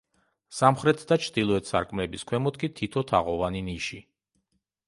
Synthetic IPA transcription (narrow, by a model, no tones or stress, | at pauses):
samχɾɛt̪ʰd̪at͡ʃʰɾd̪ilˠɔɛt̪ʰsa̰ɾkʼmlɛbiskʰwɛmɔt̪̚kʼit̪ʰit̪ʰɔt̪ʰa̰ʁɔvaniniʃi